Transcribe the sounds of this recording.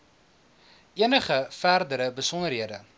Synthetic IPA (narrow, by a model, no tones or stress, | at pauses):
iənəχəfærdəɾəbəsɔnərɦiədə̰